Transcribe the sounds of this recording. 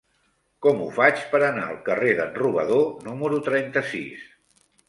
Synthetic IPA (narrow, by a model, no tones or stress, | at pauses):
kɔmufat͡ʃpəɾəna̰əlˠkəreðənruβəðonuməɾut̪ɾɛnt̪əsḭs